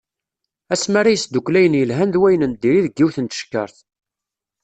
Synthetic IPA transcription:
æsmaɾajəsd̪uklæjənjəlɦænðwæjənənd̪iɾiðəɡːiwθənt̪ə̥ʃkːə̰ɾθ

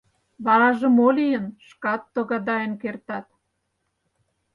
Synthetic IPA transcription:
βɑɾɑʒə̆molijənʃkɑt̪ːoɣɑd̪ɑjənkert̪ɑt̪

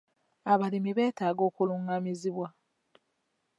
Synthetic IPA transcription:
aβalimiβe̞ːtaːɡo̞ːkuluŋamiziβwa

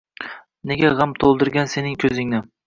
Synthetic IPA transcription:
ne̞ɡʲaʁamt̪ʰolˠd̪ɪɾɡʲanse̞nɪŋkʲʰɵzɪŋnɪ

